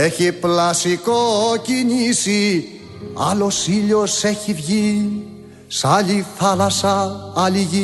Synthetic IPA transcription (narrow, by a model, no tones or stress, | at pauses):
eçiplasikocinisi | a̰losiʎoseçivʝi | salifalasaːliɣi